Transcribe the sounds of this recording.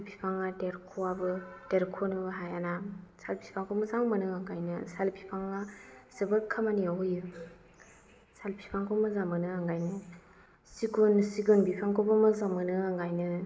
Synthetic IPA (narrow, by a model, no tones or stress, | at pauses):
salpʰi̥pʰaŋadeɾkʰoabɯdeɾkʰonɯbɯɦajanasalpʰipʰaŋkʰɔmɯzaŋmɯnɯaŋɡajnɯsalpʰi̥pʰaŋasebɯkʰamaniajɯ | salpʰi̥pʰaŋkʰɔmɯzamɯnɯaŋɡajnɯ | sikunsiɡunbipʰaŋkʰobɯmɯzamɯnɯaŋɡajnɯ